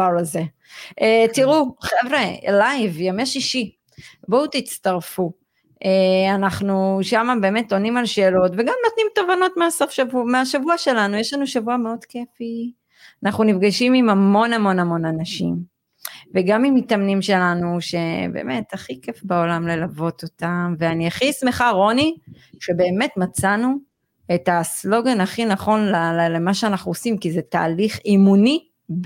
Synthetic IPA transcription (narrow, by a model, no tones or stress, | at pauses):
aʁaze | etiʁuχevʁelajvjameʃiʃi | boutit͡staʁfu | eanaχnuʃamabe̞ːme̞to̞nimalʃeːlo̞tve̞ɡamno̞tnimtovano̞tmeaso̞fʃavumeaʃavuaʃe̞lanujeʃlanuʃavuameodkefi | anaχnunifɡaʃimimamo̞nhamo̞namo̞nanaʃḭm | veɡamimitamnimʃe̞lanuʃe̞be̞̰ːme̞taχikefbaolamlelavo̞to̞tamveaniaχismeχaʁo̞ni | ʃe̞be̞ːme̞tmat͡sanu | e̞taslo̞ɡanaχinaχo̞nlallemaʃeanaχnuosimkizeta̰ːliχimuni